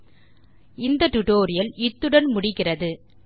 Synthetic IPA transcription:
ɪnd̪ɐʈʊʈoːɾɪjɐlɪt̪ːɯɽɐnmʊɽɪkːɪrɐðɯ

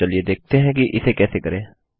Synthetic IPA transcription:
əlied̪eːk̚ʰt̪eɦɛ̃ːkiʔɪsekɛːsekəɾẽː

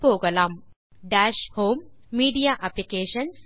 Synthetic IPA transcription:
poːɡɐlaːm | ɖaːʃhoːmːiːɖijaːʔɐplikeːʃɐns

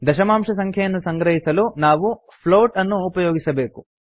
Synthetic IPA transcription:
d̪ɐʃɐmaːmʂɐsɐŋkʰjɐjɐnːusɐŋɡɾɐɦisɐlunaːʋu | pʰloːʈɐnːuːpɐjoːɡisɐbe̞ːku

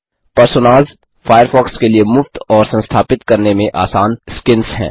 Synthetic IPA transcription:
pɐɾsonaːz | fʰaːjəɾfɔːkskeliemʊft̪ɔːɾsɐ̃nst̪ʰaːpɪt̪kɐɾnemẽʔa̰ːsaːnskɪnsɦɛ̰̃ː

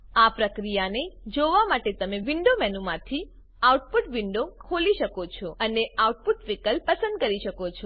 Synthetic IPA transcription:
apɾəkɾijaned͡ʒoʋamaʈet̪əmeʋɪɳɖomɛnumãt̪ʰi | auʈ̚puʈʋɪɳɖokʰoliʃəkot͡ʃʰɔəneauʈ̚puʈʋikəlpəsə̃nd̪̚kəɾiʃəkot͡ʃʰɔ

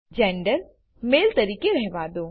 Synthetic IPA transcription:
d͡ʒɛ̃ːɳɖəɾ | meːlt̪ɐɾiːkeɾɛɦʋaːd̪oː

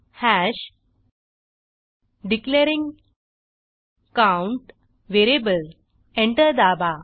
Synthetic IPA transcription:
hæɕ | ɖikleɾĩŋɡ | kãwɳʈ | ʋeɾiebəl | ẽɳʈəɾd̪aba

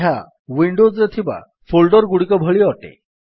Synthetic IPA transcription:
ɦa | ʋiɳɖod͡zɾət̪ʰiba̰ | folɖɔɾɡuɽikɔbʱəɭiɔʈḛ

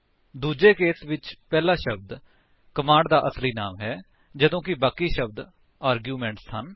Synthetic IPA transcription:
d̪uːd͡ʒeːkeːsʋɪt͡ʃpɛːlaːʃəb̚d̪ | kəmãːɳɖd̪aːʔəsliːnaːmɦɛː | d͡ʒəd̪õːkɪbaːkiːʃəb̚d̪ | aːɾɡjuːmɛ̃ːɳʈshən

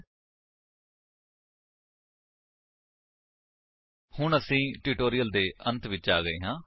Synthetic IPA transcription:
hʊɳəsĩːʈiːʈoːɾijəld̪eːʔə̃nt̪ʋɪt͡ʃaːɡəeːɦãː

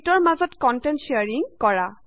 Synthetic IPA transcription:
tɔɹmazɔtkɔntɛntsiaɹiŋkɔɹa

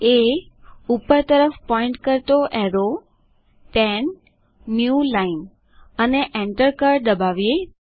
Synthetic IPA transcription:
e | upəɾt̪əɾəfpɔɪ̃ɳʈkəɾt̪oʔɛɾo | pɛnː | julain | əneʔɛ̃ɳʈəɾkəɾd̪əbaʋije

